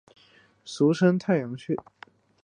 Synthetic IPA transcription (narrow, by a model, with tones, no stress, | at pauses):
su˧˥ʂə˥nt̪ʰa˥˩ɪjɑ˧˥ŋt͡ɕʰy˥˩